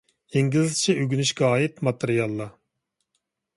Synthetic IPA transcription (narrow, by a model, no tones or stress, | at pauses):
jeŋɡʲizzt͡ʃʰɛøɡʲynyʃkʲɑɑːjit̪mɑt̪ʰeɾijɑlˠːɑ